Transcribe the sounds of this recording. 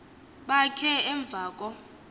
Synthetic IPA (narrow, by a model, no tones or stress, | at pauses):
ɓakʰɛɛɱb̪vʱaːk̬ʼɔ